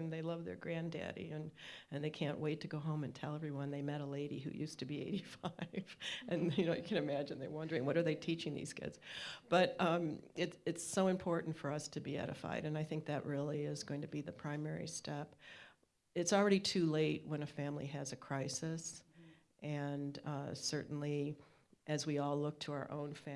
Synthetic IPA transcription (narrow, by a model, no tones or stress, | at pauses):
nðeɪlʌvðə̰˞ɡɹæ̃ndḛɾḭɨ̃nɨ̃nðeɪkʰæ̃nʔwʔeɪtʰɨɡoʊɦõʊ̃mɨ̃ntʰɛlˠɛvɹiwʌ̃nðeɪmɛɾəleɪɾḭɦʉ̰jʉstʰɨbiḛɪɾifaɪɪv̥ʔɨ̃njɨnoʊjɨkʰɨ̃nɨmæd͡ʒɨ̃nðewʌ̃ndə˞ɪ̃ŋwʌɾə˞ðeɪtʰit͡ʃɪ̃ŋðḭz̥ɡʰɪ̰dz̥b̥ʌɾʌ̃mɨtɨtsoʊɨ̃mpʰɔɹʔn̩tfə˞ʌstʰɨbiɛ̰ɾɨ̰fa̰ɪɾɨ̃naɪθɪ̃ŋk̚ðɨʔ̚ɹɪlˠiɪzɡoʊɪ̃ŋtʰɨbiðɨpʰɹ̥ãɪ̃mɛɹḭstʰɛp | ɨtsl̩ˠɹɛɾitʰʉleɪt̚wə̃nɨfæ̃mlḭɨzɨkʰɹ̥aɪsɨs | ʔɨ̃nsɜ˞ʔn̩li | ʔɨzwiɔlˠlʊk̚tʰəaʊə̰˞ʔõ̰ʊ̃nfæ